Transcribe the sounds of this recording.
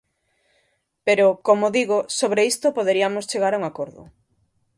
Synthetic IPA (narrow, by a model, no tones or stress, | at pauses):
peɾokomoðiɣosoβɾeist̪opoðeɾiamost͡ʃeɣaɾauŋakoɾðʊ̰